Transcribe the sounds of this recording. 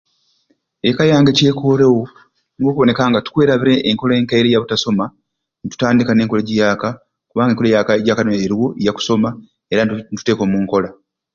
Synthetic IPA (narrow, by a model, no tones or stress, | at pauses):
ekajaːŋɡece̞ːkʰoːɾewo | niwokuβo̞ne̞kaːŋɡatu̥kwe̞ːɾaβiɾe̞ʔːŋko̞leːŋkaiɾejaβutaso̞ma | nitu̥taːndikane̞ːŋko̞leɟijaːka | kuβaːŋɡeŋkolejakaɟakanoeɾiwo̞ʔijaku̥so̞ma | eɾatu̥te̞ːko̞ːmuːŋko̞la